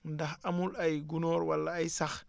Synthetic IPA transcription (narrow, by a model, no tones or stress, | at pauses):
ndaxamulajɡunɔɾwalːaːjsax